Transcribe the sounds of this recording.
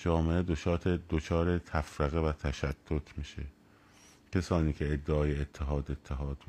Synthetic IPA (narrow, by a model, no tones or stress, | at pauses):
d͡ʒɒːmeʔed̪ot͡ʃɒːt̪ʰed̪ot͡ʃʰɒːɾet̪ʰæfɾeɣevæt̪ʰæʃæt̪ʰːot̪ʰmiːʃe | cʰesɒːniːkʰeed̪ːeɒːjeet̪ʰːeɦɒːd̪e̞t̪ʰːeɦɒːd̪